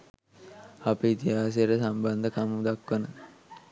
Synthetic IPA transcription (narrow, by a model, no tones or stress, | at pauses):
apəit̪iɦaːs̬ijəʈəsamband̪əkamud̪akʋənə